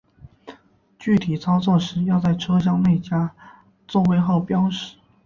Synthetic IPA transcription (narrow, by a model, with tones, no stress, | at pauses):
t͡ɕy˥˩t̪ʰi˨˩t͡sʰɑ˥ʊt͡swɔ˥˩ʂɻ̩˧˥jɑ˥˧ʊt͡sa˥˩ɪʈ͡ʂʰɤ˥ɕ̬jɑ˥˧ŋne˥˩ɪt͡ɕja˥ | t͡so˥˩we˥˧ɪxo˥˩ʊpjɑ˥ʊʂɻ̩˨˩˦